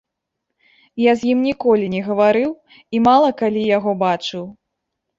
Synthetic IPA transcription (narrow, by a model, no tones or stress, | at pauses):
jazʲjimnʲikɔlʲinʲɛɣɐvaɾɨw | imalˠɐkalʲijaɣɔbat͡ʂɨw